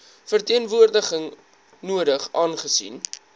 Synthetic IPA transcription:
fərtiənvuərdəχəŋ | nuədəχʔɑːnχəsḭn

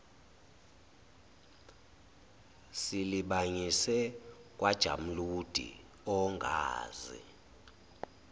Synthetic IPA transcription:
siliɓaɲisɛkʼwad̥ʒ̥ʱa̰m̩lud̥ʱḭ | ɔŋɡʱa̰ːzḭ

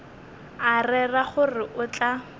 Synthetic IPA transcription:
arɛraχʊrɪʔʊt͡ɬʼa

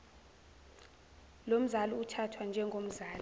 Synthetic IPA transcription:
lom̩zaluutʰatʰwand͡ʒʱɛŋɡʱom̩zaːli

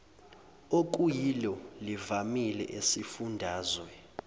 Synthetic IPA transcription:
ok̬ujilɔlivamilɛʔesifundʱaːzwɛ

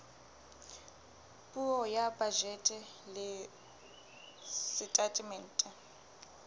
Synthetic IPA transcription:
pʼuɔjabad͡ʒɛtʼɛ | lɪ | sɪtʼatʼimɛn̩ːtʼɛ

